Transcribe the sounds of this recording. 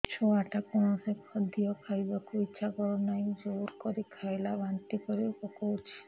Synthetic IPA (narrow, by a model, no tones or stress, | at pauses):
t͡ʃʰoaʈakɔnsekɔd̪ijɔkʰajbakoitːʃʰaɡɔɾonajd͡ʒoɾkɔɾikʰajlabʱant̪ikɔɾikɔkot͡ʃʰi̥